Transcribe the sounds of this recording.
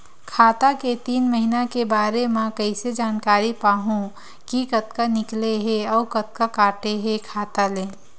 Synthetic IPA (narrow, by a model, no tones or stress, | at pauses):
kʰaːt̪aket̪iːnməɦinakebaːɾemɛ̃kɐɪsed͡ʒaːnkaːɾipaːɦũ | kikɐt̪kanɪkleɦeɔːkɐt̪̚kakaːʈeɦekʰaːt̪aleː